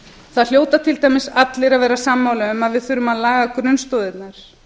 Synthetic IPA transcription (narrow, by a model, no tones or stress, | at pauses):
θaðl̥joːwt̪at̪ʰɪlt̪ajmɪsat̪lɪɾaðvɛːɾasamːaːwlaʏmaðvɪðθʏɾʏmaðlaːɣakɾʏnst̪oːwðɪt̪naɾ̥